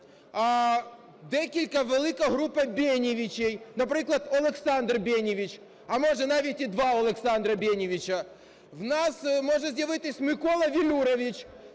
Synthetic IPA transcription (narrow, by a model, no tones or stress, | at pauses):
a | d̪ɛkʲɪlʲkɐvɨlˠɨkɐɣɾupːɐbʲenʲɪvʲɪt͡ɕejnɐpɾɨklˠɐt̪ɐlˠɪksand̪rbʲenʲɪʋʲɪt͡ɕ | ɐmoʐɨnavʲɪtʲɪd̪ʋaɐlˠɛksand̪ɾɐbʲenʲɪvʲɪt͡ɕɐ | vnasmoʐɨzʲdʲɐvɨt̪ʲɪsʲmɨkolˠɐvʲɪlʲuɾəvʲɪt͡ɕ